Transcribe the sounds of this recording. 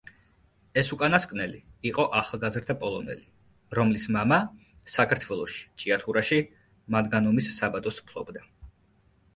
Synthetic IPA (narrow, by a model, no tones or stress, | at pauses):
ɛsukʼanaskʼnɛliːqʼɔʔaχalˠɡazɾd̪apʼɔlˠɔnɛ̰li | ɾɔmlismama | sakʰaɾt̪ʰwɛlˠɔʃi̥t͡ʃʼiat̪ʰuɾaʃi | mad̪ɡanɔmisːabad̪ɔspʰlˠɔbd̪a